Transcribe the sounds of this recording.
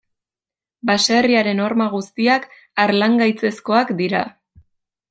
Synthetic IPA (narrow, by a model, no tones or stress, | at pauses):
baseriaɾe̞no̞ɾmaɣ̞ust̪iak | aɾlaŋɡajt͡se̞sko̞akd̪iɾa̰